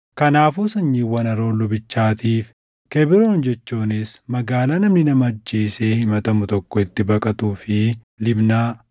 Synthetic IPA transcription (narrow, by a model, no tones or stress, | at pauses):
kɐnaːfuːsɐɲːiːwːɐnɐɾo̞ːlʊbɪt͡ʃːaːt̪iːf | keːbɪɾoːnd͡ʒɛt͡ʃːuːnɪsmɐɡaːlaːnɐmnɪnɐmɐɐd͡ʒːeːse̞ːhɪmɐt̪ɐmʊt̪ɔkːɔɪt̪ːɪbɐkʼɐt̪uːfɪ | lɪbnaː